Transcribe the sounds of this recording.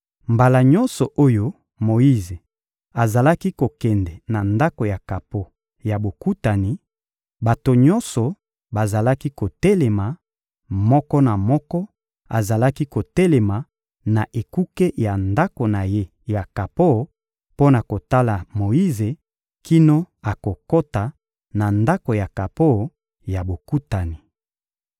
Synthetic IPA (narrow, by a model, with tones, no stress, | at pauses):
mba˨la˨ɲɔ̃˦nsɔ˨ʔo˦jo˦ | mo˨i˦ze˨ | a˨za˨la˦ki˦ko˨kɛ˨ndɛ˨na˨nda˦ko˨ja˨ka˨po˦ | ja˨bo˨ku˦ta˨ni˨ | ba˨to˨ɲɔ̃˦nsɔ˨ | ba˨za˨la˦ki˦ko˨tɛ˦lɛ˨ma˨ | mɔ˦kɔ˦na˨mɔ˦kɔ˦ | a˨za˨la˦ki˦ko˨tɛ˦le˨ma˨ | na˨ʔe˨ku˦ke˦ja˨nda˦ko˨na˨je˦ | ja˨ka˨po˦˨ | po˦na˨ko˨ta˦la˨mo˨i˦ze˨ | ki˦no˦ | a˨ko˨ko˦ta˨ | na˨nda˦ko˨ja˨ka˨po˦˨ | ja˨bo˨ku˦ta˨ni˨